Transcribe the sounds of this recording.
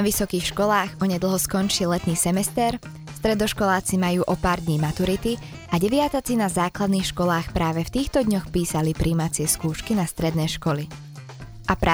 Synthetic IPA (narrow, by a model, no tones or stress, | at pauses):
aʋisɔkiːxʃkɔlaːɣɔɲɛd̪l̩ˠɦɔskɔnt͡ʃilɛt̪niːsɛmɛst̪ɛːɾ | st̪ɾɛd̪ɔʃkɔlaːt͡simajuːʔɔpaːɾd̪ɲiːmat̪uɾit̪i | aɟɛʋɪat͡sat͡sinazaːklad̪niːxʃkɔlaːxpɾaːʋɛft̪iːxt̪ɔd̪ɲɔxpiːsalipɾʔiːmat͡sɪɛskuːʃkinast̪ɾɛd̪nɛjʃkɔli | ʔap